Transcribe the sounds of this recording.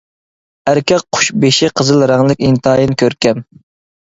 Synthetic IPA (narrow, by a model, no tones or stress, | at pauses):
æɾkʲʰɛk̚qʰʊ̥ʃbeʃiqʰəzɨlˠɾɑŋlˠɪkʲint̪ɑːjinɪkʲøɾkʲɛm